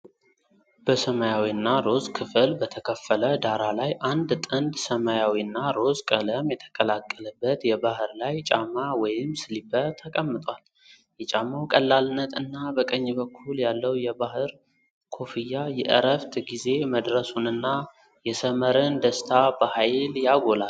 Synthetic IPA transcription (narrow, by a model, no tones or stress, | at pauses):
b̥əsəmajawinːaɾo̞zkʰɨfɨlbət̪ʰəkʰəfːələd̪aɾalajʔand̪t̪ʼɨnd̪səmajawinːaɾo̞zkʼələmjɛt̪ʰə̥kʼəlakʼːələbːət̪jɛbahɨɾlajt͡ʃʼamːawɔjɪmsɨlibət̪ʰːəkʼəmːɨt̪ʼwal | jɛt͡ʃʼamːawkʼəlːalnːət̪ʰɨnːabəkʼəɲːbəkʰːuljalːəwjɛbahɨɾ | kʰo̞fɨjːajɛʔə̰ɾəft̪ɡize̞məd̪ɾəsunɨnːa | jɛsəməɾɨnd̪əst̪ʰabəhajljaɡo̞la